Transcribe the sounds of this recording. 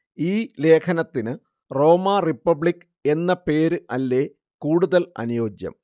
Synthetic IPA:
iːle̞ːkʰɐnɐt̪ːinɨ | ro̞ːmaːripːɐbɭikː | e̞nːɐpe̞ːɾɨɐlːe̞ː | kuːɽuðɐlɐ̰nujo̞ːd͡ʑjɐ̰m

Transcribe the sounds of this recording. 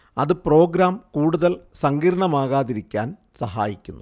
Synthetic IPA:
ɐðɨpro̞ːɡɾaːmkuːɽuðɐlsɐŋɡiːɾɐɳɐmaːɣaːðiɾikʲːa̰ːn | sɐɦa̰ːjikʲːunːu

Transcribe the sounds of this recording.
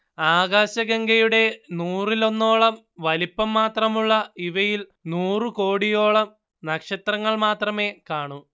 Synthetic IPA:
aːɣaːɕɐɡɐŋɡɐjuɽe̞nuːrilo̞nːo̞ːɭɐm | ʋɐlipːɐmːaːt̪rɐmuɭːɐiʋɐjilnuːrɨko̞ːɽijo̞ːɭɐm | nɐkʂɐt̪rɐŋːɐɭmaːt̪rɐme̞kaːɳu

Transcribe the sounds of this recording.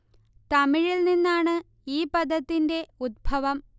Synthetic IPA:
t̪ɐmiɻilninːaːɳɨ | iːpɐd̪ʱːɐt̪ːinde̞ud̪̚bʱɐʋɐm

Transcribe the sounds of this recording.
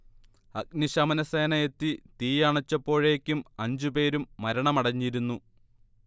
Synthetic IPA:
ɐk̚niɕɐmɐnɐseːnɐjet̪ːit̪iːjɐɳɐt͡ɕːɐpːo̞ːɻe̞ːkʲːumɐɲd͡ʑupe̞ːɾumːɐɾɐɳɐmɐɽɐɲːiɾunːu

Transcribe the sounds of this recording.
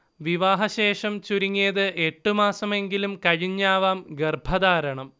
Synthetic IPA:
ʋiʋaːɦɐɕe̞ːʂɐmt͡ɕuɾiŋːeːðɨʔe̞ʈːɨmaːsɐme̞ŋɡilumkɐɻiɲːaːʋaːmɡerbʱɐðaːɾɐɳɐm

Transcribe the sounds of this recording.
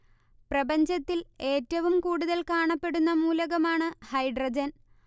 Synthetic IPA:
prɐbɐɲd͡ʑɐt̪ːile̞ːtːɐʋumkuːɽuðɐlkaːɳɐpːe̞ɽunːɐmuːlɐɣɐmaːɳɨhɐjɖrɐd͡ʑɐn

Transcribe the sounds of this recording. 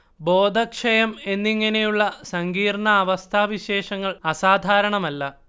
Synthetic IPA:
bo̞ːd̪ʱɐkʂɐjɐme̞nːiŋːɐne̞juɭːɐsɐŋɡiːrɳɐːʋɐst̪ʰaːʋiɕe̞ːʂɐŋːɐɭɐsaːd̪ʱaːɾɐɳɐmɐlːɐ

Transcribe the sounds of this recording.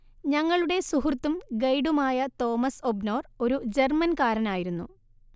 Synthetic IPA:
ɲɐŋːɐɭuɽe̞suɦurt̪ːumɡɐjɽumaːjɐt̪o̞ːmɐso̞bno̞ːro̞ɾud͡ʑe̞rmɐnkaːɾɐnaːjiɾunːṵ

